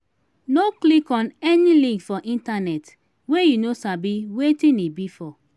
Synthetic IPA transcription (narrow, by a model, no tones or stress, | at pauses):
noklikɔ̃nɛnilĩŋkfɔʔĩntanɛt | wejunosabiwetĩnibifɔ